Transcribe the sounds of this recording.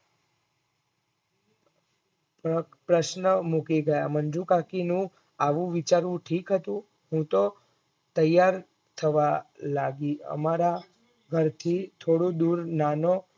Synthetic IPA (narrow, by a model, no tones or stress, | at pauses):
pɾəʃnəmukiɡəjamənd͡ʒũkakinũ | aʋũʋit͡ʃaɾũʈʰikɦət̪ũ | ɦũt̪o | t̪əjːaɾ | t̪ʰəʋalaɡiə̰maɾa | ɡʱəɾt̪ʰit̪ʰoɽũd̪uɾnano